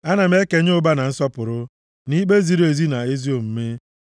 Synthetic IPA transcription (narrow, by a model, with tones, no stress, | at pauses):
a˦na˨m̩˦e˦ke˨ɲ˦ʊ˦ba˦na˨n̩˦sɔ˦pʊ˨ɾʊ˦ | ni˦k͡pe˦zi˨ɾe˨zi˦na˨e˦zi˦o˨m̩˦me˦